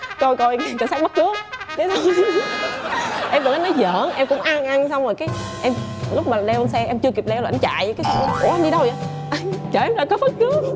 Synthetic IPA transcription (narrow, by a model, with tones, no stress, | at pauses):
ko˧jko˧ja˨˩kəː˨˩saː˦˥ɓt̚k̪ɨ˦˥əŋ̚kə˨˦t̪ʰə˧w | ʔɛ˧mɗɨ˨˩k̚ʔa˨˦jnɔ˨˦jzə̰ː˧˨nʔɛ˧mkʊ̰˧˥ŋ͡mʔaː˧ŋʔa˧ŋsa˧wŋ͡mzo˨˩jkaː˨˦j | ʔɛ˧mlʊ˦˥k͡p̚maː˨˩ɗɛ˧wə˧nsɛ˧ʔɛ˧mt͡ɕɨ˧əki˨˩p̚ɗɛ˧wlŋt͡ɕa̰ː˧˨jkaː˨˦˨ku˧˩əʔa˧nɗi˧ɗə˧wa˨˦ | ʔa˧ŋt͡ɕəː˧˩ʔɛ˧mlaː˧˨jkɔ˨˦fə˦˥t̚kɨ˨˦ə